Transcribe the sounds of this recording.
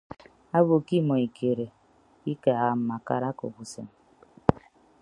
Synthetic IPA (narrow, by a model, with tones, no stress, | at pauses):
a˦bo˨ki˦mo˨i˨kʰe˨ɾe˨ | i˦ka˨a˨m̩˨ma˨ka̰˦ɾa˦ko̰˨ɡu˨sḛ˨m